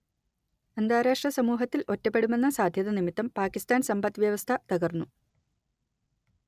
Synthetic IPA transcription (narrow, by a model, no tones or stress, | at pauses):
ɐnd̪aːɾaːʂʈrɐsɐmuːɦɐt̪ːilo̞tːɐpːe̞ɽume̞nːɐsaːd̪ʱjɐðɐnimit̪ːɐmpaːkist̪aːnsɐmbɐt̪ːʋjɐʋɐst̪ʰɐt̪ɐɣɐrnːu